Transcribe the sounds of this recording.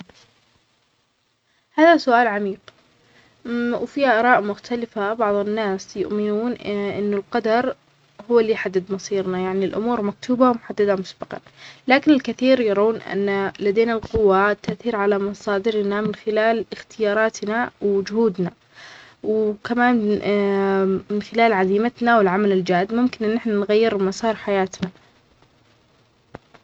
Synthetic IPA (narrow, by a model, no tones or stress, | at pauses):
haːðasʊʔaːlʕamiːq | wfiːhaʔɑɾˤɑːʔmʊxt̪ʰalɪfabɑʕðˤɪnːaːsjʊ̰ʔmɪnuːnʔɪnːʊlqɑd̪ɑɾˤ | hʊwːalːiːħad̪ːɪd̪mɑsˤiːɾnajaʕnilʔʊ̰muːɾmak̚t̪ʰuːbawmʊħad̪ːad̪amʊsbɑqɑ̰nlaːkɪnɪlkaθiːɾjɑɾˤuːnʔa̰nːalad̪eːnalqʊwːat̪ːaʔθiːɾʕalamɑsˤɑːd̪ɪɾnamɪnxɪlaːlɪxt̪ɪjɑːɾˤɑːt̪nawd͡ʒʊhuːd̪na | wkamaːn | mɪnxɪlaːlʕaziːmat̪nawɪlʕamalɪld͡ʒaːd̪mʊmkɪnʔɪnːɪħnanɣajːɪɾmɑsˤɑːɾˤħajaːt̪na